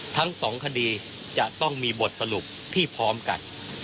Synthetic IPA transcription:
t̪ʰa˦˥ŋsɔː˩˦ŋkʰa˧diː˧ | t͡ɕa˨˩ʔt̪ɔ˥˩ŋmiː˧bo˨˩t̪̚sa˧lu˨˩p̚t̪ʰiː˥˩pʰɔː˦˥mka̰˧n

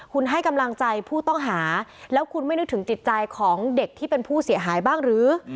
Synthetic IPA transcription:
kʰu˧nɦa˥˩jka˧mla˧ŋt͡ɕa˧jpʰuː˥˩t̪ɔ˥˩ŋɦaː˩˦lɛː˦˥wkʰu˧nma˥˩jnɯ˦˥t̪ʰɯ˩˦ŋt̪t͡ɕi˨˩t̪̚t͡ɕa˧jkʰɔː˩˦ŋde˨˩k̚t̪ʰiː˥˩pe˧npʰuː˥˩si˩˦əɦaː˩˦jbaː˥˩ŋɾɯː˩˦

